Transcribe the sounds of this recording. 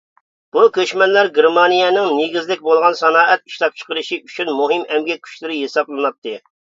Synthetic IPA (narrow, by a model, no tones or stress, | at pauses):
b̥ukʲʰøʃmɛnlæɾɡʲeɾmɑnijɛnɪŋneɡʲizlɪk̚ʲbolˠʁɑnsɑnɑːʔɛt̪̚i̥ʃlˠɑp̚t͡ʃʰə̥qəɾɨʃiyt͡ʃʰynmuɦɨmɛmɡʲɛkʲʰy̥ʃlɪɾɪɦesɑplˠɨnɑp̚t̪ːɨ